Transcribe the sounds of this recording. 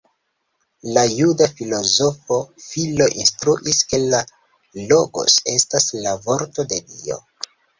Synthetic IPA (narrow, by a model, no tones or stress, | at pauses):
lajudafilo̞zo̞fo̞filo̞ʔinstɾuʔiske̞la | lo̞ɡo̞̰se̞staslavo̞ɾto̞de̞dḭo̞̰